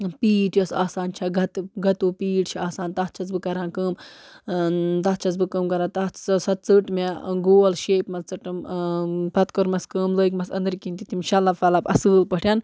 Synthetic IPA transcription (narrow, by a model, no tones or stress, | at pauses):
piːʈjosaːsaːnt͡ʃʰɐɡʱɐt̪ɡʱɐt̪uːpiːʈt͡ʃʰiaːsaːnt̪ɐːt͡ʃʰɐt͡s̬bɨkɐɾãːnkəːm | t̪ɐt͡ʃʰɐt͡s̬bɨkəːmkɐɾãːt̪ɐt͡ssɐt̪̚t͡sɨʈmeɡoːlʃeːpmɐst͡sɨʈɨm | pɐt̪kɔɾmɐskɨːmləːikmɐsɐ̰nd̪ɾkint̪it̪imʃɐlːafalaːpɐ̰sɨːlpɐʈʰʲjan